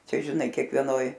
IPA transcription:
ˈt͡ʃʲɛ ʒʲɪˈnɐɪ kʲiɛkʋʲiɛˈnoːj

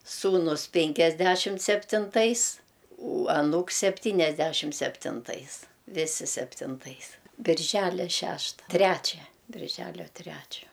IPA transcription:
ˈsuːnʊs pʲɪŋʲkʲɛzʲˈdʲæʃʲɪmt sʲɛpʲtʲɪnˈtɐɪs ʊ ɐˈnuːks sʲɛpʲtʲiːnʲɛzʲˈdʲæʃʲɪmt sʲɛpʲtʲɪnˈtɐɪs ˈʋʲɪsʲɪ sʲɛpʲtʲɪnˈtɐɪs bʲɪrʲˈʒʲælʲɛ ˈʃʲæːʃtɐ ˈtʲrʲæt͡ʃʲɛ bʲɪrʲˈʒʲæːlʲoː ˈtʲrʲæt͡ʃʲoː

